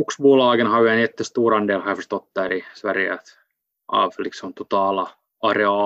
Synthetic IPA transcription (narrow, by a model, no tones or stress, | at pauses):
uksbuːlɑˑiɡenhɑʋænet̪ːest̪uːɾɑndelhɑfəst̪ot̪ːɑɾisʋæriæ̰t̪ | ɑ̰ːfliksomt̪ut̪ɑlɑ | ɑreɑ